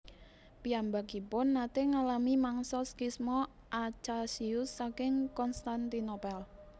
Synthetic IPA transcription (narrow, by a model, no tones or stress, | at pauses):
piambaɡ̥ipʊnːat̪eŋalamimaŋsɔskismɔ | ʔat͡ʃasiʊsːakɪŋkɔnst̪ant̪inopɛl